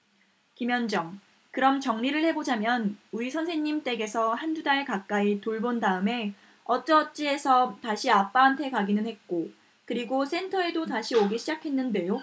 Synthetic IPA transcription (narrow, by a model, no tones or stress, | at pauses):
kimjʌnd͡ʑʌŋ | kɯɾʌmt͡ɕʌŋɲiɾɯɭhe̞bod͡ʑamjʌnuisʰʌnsʰe̞ŋɲimt͈e̞ɡe̞sʰʌhand͡ʑudaɭkak͈̚aitoɭbondaɯme̞ | ʌt͡ɕ͈ʌt͡ɕ͈ie̞sʰʌtaɕʰiap͈aantʰe̞kaɡinɯnhe̞t̚k͈o | kɯɾiɡos͈ʰe̞ntʰʌe̞dotaɕʰioɡeɕʰid͡ʑakʰe̞nːɯnde̞jo